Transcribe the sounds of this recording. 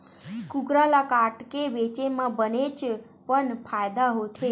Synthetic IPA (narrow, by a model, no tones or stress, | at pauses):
kukɾalakaʈkeʋet͡ʃemãbənet͡ʃ | pəɳpʰajd̪aɦot̪ʰe